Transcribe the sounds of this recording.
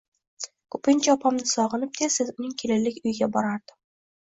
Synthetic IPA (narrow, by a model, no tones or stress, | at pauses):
kʰɵ̥pɪnt͡ʃʰaɒpʰamnɪsɒʁɨnɪp̚d̪esɪzʊnɪŋkʲʰelɪlːɪkʲʊjɡʲabɒɾaɾd̪̥ɪ